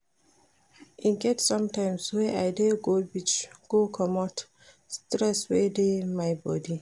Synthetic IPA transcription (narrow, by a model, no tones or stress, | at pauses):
ʔĩnɡɛtsɔ̃mtãɪ̃mswɛʔajdeɡobit͡ʃɡ̥okʰɔmɔt | stɹɛswɛdemajbɔ̰di